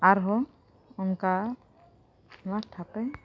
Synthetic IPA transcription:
aɾɦɔ | unka | wat̪ʰːapaj

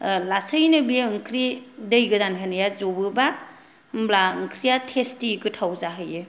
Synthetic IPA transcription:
lasəjnɯbiɯŋkʰɾidɯjɡɯdankʰanɯjazobɯba | mblaɯŋkʰɾijatʰestikɯtʰawzaɦɯjɯ

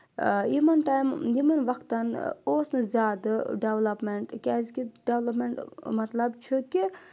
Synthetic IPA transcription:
imɐnʈaːjmimɐnʋɐkʰt̪ɐnoːsnɨzʲaːd̪ɨɖeʋlɐpmeɳʈkʲɛːzkiɖeʋlɐpmeɳʈmɐt̪lɐbt͡ʃʰuki

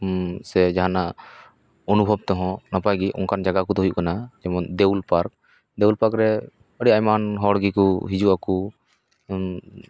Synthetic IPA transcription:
sɛd͡ʒaɦana | ɔnubʱɔb̚t̪ɔɦɔ̃napajɡiʔɔ̰ŋkand͡ʒaɡakud̪ɔɦujṵʔkanad͡ʒɛmɔnd̪ɛwlpaɾk̚ | d̪ɛulpaɾkɾɛ | əɽiajmanɦɔɽɡikuɦid͡ʒuʔaku

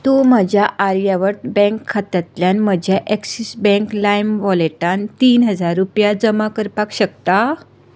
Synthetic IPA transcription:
t̪om̤əd͡ʑʱjaaɾjaʋəɾʈbɛ̃ŋkʰːat̪at̪ljanməd͡ʑʱjaʔeksisbɛ̃ŋklajmʋɔleʈant̪iːnɦəd͡zaɾːupjad͡zəmakəɾpakɕək̚t̪a

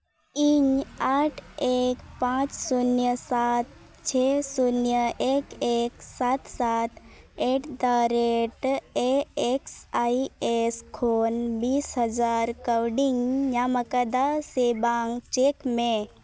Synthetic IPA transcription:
iɲaʈʰekpãt͡ʃsunjəsat̪̚ | t͡ɕʰesunjəʔekeksat̪sat̪ | eʈd̪aɾeʈeeksaieskʰonbiːsɦəd͡zaɾkəwɖiŋɡjaməkəd̪asebaŋɡt͡ʃekmẽ

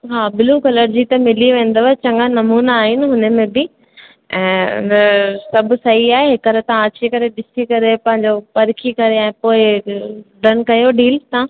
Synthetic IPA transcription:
ɦaːbɪluːkɐləɾd͡ʑit̪ɐmɪliʋẽːn̆d̪oʋaɦet͡ɕɐ̃ŋɡanɐmuːnaaːɦɪnɪ̆ɦʊnə̆mẽbɪ | ɛ̃ːʊ̰nɐsɐbʱʊ̆sɐɦiaːɦeɦɪkɐɾət̪ɐãɐt͡ɕikɐɾeɗɪsikɐɾepɐ̃ɦɪ̃ɲd͡ʑopɐɾkʰikɐɾeɛ̃ːpoːɪ | ɖɐnkɐjoɖiːlt̪ãː

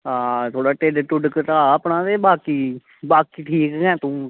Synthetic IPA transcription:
aːt̪ʰoːɽaːʈeɖʈʊɖkət̪aːəːpnãːt̪eːbaːkiː | baːkiːʈʰiːkːɛ̃ːt̪ũː

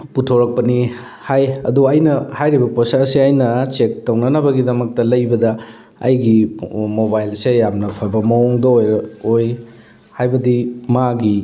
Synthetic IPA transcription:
putʰoɾɐk̚pɐni | hajɐ̰duɐjnɐhajɾibɐposasiɐjnɐt͡ʃek̚townɐnɐbɐɡidɐmɐk̚tɐlɐjbɐdɐ | ɐ̰jɡimobajlsejamnɐpʰɐbɐmɐɔŋdɐojɾɐoj | hajbɐdimaɡi

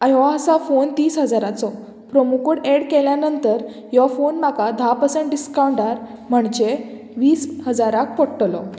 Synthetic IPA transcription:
ajʋaəsafont̪iːsɦəd͡zaɾat͡sɔ | pɾɔmukuɽeɽkɛljanənt̪əɾ | jɔfonmakad̪ʱapəsə̃ɳʈɖiskawɳɖaɾm̤əɳd͡ʑe | ʋiːshəd͡zaɾak̚pɔɽʈlɔ

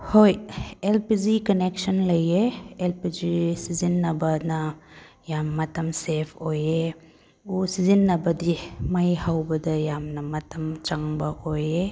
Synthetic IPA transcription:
hojelpid͡ʒikɐneksɐnlɐjeelpid͡ʒisizinːɐbɐnɐ | jamːɐtɐmsepʰoje | usizinːɐbɐdimajhawbɐdɐjamnɐmɐtʰɐmt͡ʃɐŋbɐʔoje

